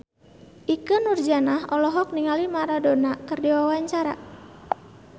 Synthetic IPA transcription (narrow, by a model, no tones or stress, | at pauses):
ʔikənurd͡ʒanaɦɔlɔɦɔk̚niŋalimaɾadonakərdiwawaɲt͡ʃaɾa